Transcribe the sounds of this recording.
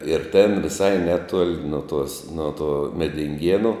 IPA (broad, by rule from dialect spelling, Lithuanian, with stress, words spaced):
ɪr tʲɛn ʋʲɪˈsɐɪ ˈnʲæːˌtuɔlʲ noː ˈtuɔs ˈnoː tuɔ mʲɛdʲɪŋʲˈɡʲiɛnʊ